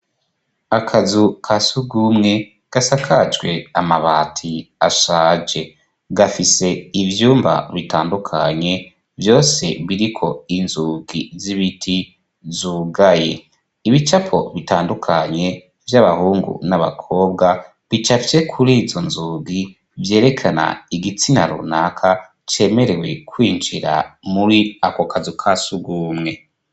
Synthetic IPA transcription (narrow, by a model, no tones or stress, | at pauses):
akʰazukʰasuɡumŋe̞ | ɡ̥asakʰat͡ʃɡwe̞amaβatʰiaʃaːd͡ʒe̞ | ɡafise̞ivjuːmba̰βitaːndukʰa̰ɲe̞ | vjo̞ːse̞βiɾikʰo̞inzuːɡiziβitʰi | zuɡaje̞ | iβit͡ʃapʰo̞βitaːndukʰaɲe̞ | vjaβahuːŋɡṵnaβa̰kʰo̞ːb̚ɡa | βit͡ʃaft͡ʃe̞kʰuɾizo̞nzuːɡi | vje̞ːɾe̞kʰana̰iɡit͡sina̰ɾṵnakʰa | t͡ʃe̞me̞ɾe̞we̞kwiːnd͡ʒiɾa̰muɾiakokazukʰasuɡuːmŋe̞